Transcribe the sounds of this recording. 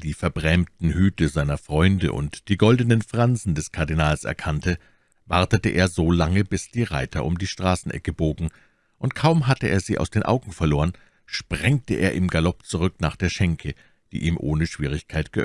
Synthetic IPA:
d̥iːfɛɐbʁɛmtn̩hyːtəzaɪnɐfʁ̥ɔʏndə̰ʔʊ̰ntd̥iːɡɔldənənfʁ̥anzn̩dɛskʰaɐdinaːlsɛ̰ɐkʰantə | vaɐtətəʔḛːɐzoːlaŋəbɪsd̥iːʁa̰ɪtʰɐʔʊmdiːʃtʁ̥aːsn̩ʔɛ̰kəboːɡŋ̩ | ʔʊntkʰaʊmɦatəʔḛːɐziːʔaʊsd̥eːnʔa̰ʊɡŋ̩fɛɐloːʁən | ʃpʁ̥ɛŋk̚təʔḛːɐʔɪmɡalɔpt͡suʁʏknaːχd̥eːɐʃɛŋkʰə | d̥ḭːʔḭːmʔo̰ːnəʃv̥iːʁ̞ɪçkʰaɪtɡ̥əʔ

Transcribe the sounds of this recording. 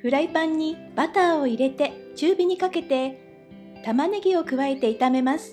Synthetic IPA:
ɸɯ̟ɾaipãɲ̟ːib̥at̪aːo̞iɾe̞t̪e̞t͡ɕɨːbʲiɲ̟ikake̞t̪e̞ | t̪amane̞ɡʲio̞kɯ̟βae̞t̪e̞it̪ame̞masɨ̥

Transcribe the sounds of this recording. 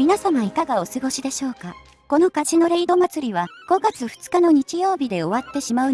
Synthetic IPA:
mʲinasamaikaɡao̞sɨɡo̞ɕid̪e̞ɕo̞ːka | ko̞no̞kaʑino̞ɾe̞id̪o̞mat͡sɨɾʲiβaɡ̥o̞ɡat͡sɨɸɯ̥t͡sɨ̥kano̞ɲ̟it͡ɕijo̞ːbʲid̪e̞o̞βat̪ːe̞ɕimaɯ

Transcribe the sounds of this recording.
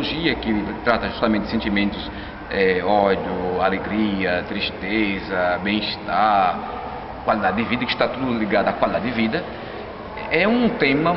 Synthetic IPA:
oʒiɐkɪt̪ɾat̪ɐʒu̥ʃt̪amẽt̪d̪ɪsẽnt̪imẽnt̪ʊs | ɛɔd͡ʒ̪jʊaleɡɾiɐt̪ɾiʃt̪ezɐbẽj̃iʃt̪aɾ | kwalid̪ad̪ɪd̪ɪvid̪ɐkɪʃt̪at̪ud̪ʊliɡad̪ʊakwalid̪ad̪ɪd̪ɪvid̪ɐ | ɛũt̪ẽmɐ

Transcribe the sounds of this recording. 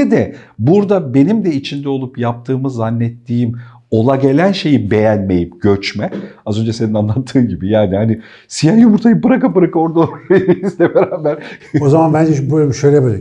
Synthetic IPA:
ɛd̪ɛbuɾd̪abe̞nimd̪ɛit͡ʃʰind̪ɛo̞lˠupjap̚t̪ʰɯːmɯzanːɛt̪ʰːiːim | o̞lˠaɟe̞lʲænʃe̞jibe̞jænme̞jimɟø̞t͡ʃmɛazø̞nd͡ʒɛse̞ninanlˠat̪ʰːɯːmɟibijaːnihanɪ | sijajumuɾt̪ʰajɯmpɯɾakapɯɾakao̞ɾd̪aoɾajisd̪ɛveɾaːbæɾozamanbænd͡ʒɛbølʲmʃøjlʲɛbøli

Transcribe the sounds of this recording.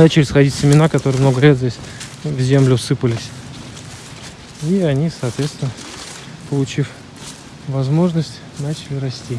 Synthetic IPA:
nat͡ɕɪlʲɪsxɐdʲitʲsʲɪmʲɪnakɐt̪o̞ɾɨjmno̞ɡəlʲezʲdʲesʲvzʲemlʲʊsɨpəlʲɪsʲ | iɐnʲisɐːt̪vʲet̪st̪vʲɪnə | pəlˠʊt͡ɕif | vɐzmo̞ʐnəsʲtʲ | nat͡ɕɪlʲɪɾɐsʲtʲi

